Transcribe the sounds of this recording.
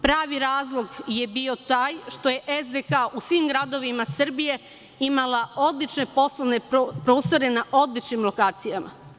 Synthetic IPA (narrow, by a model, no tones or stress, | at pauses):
pɾaːʋiɾaːzlˠo̞ɡje̞bio̞t̪aːjʃt̪o̞je̞ʔezd̪ekaʔusʋiːmɡɾad̪o̞ʋimasrbije̞ | imalao̞d̪lit͡ʃne̞po̞slˠoʋnepɾo̞ːst̪o̞ɾe̞naʔo̞d̪lit͡ʃnimlo̞kaːt̪sijama̰